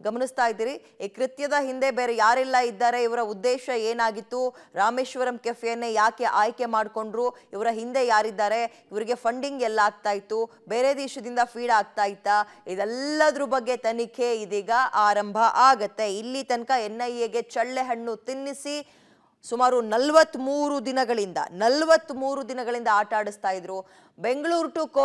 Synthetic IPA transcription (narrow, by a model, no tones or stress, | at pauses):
ɡɐmɐnist̪aːjd̪iːɾi | kɾit̪jɐd̪ɐɦind̪e̞beːɾejaːɾɛlːɐid̪ːaːɾe̞iʋɐɾɐud̪ːeːʃɐeːnaːɡit̪ːuɾaːmeːʃʋɐɾɐmkefjɐnːejaːke̞ʔaːjke̞maːɖko̞ɳɖɾuiʋɐɾɐɦind̪e̞jaːɾid̪ːaːɾe̞ | iʋɐɾiɡe̞pʰɐɳɖiŋɡɛlːaːɡ̚t̪aːjit̪ːu | beːɾed̪iːʃɐd̪ind̪ɐpʰiːɽaːɡ̚t̪aːjit̪ːaid̪ɛlːɐd̪ɐɾubɐɡːe̞t̪ɐnikʰe̞id̪iːɡɐʔaːɾɐmbʱɐʔaːɡɐt̪ːe̞ilːit̪ɐnkɐenːɐjeɡe̞t͡ʃɐɭːe̞ɦɐɳːut̪inːisi | sumaːɾunɐlʋɐt̪ːmuːɾud̪inɐɡɐɭind̪ɐ̰nɐlʋɐt̪ːmuːɾud̪inɐɡɐɭind̪ɐaːʈaːɽust̪aːjid̪ɾu | be̞ŋɡɐɭuːɾʈuk